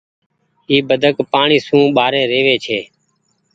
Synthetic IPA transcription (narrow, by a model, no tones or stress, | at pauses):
ɦiːbəd̪ʱəkpaːɳiːsũːɓaːɾẽːɾeːʋeːt͡ʃʰeː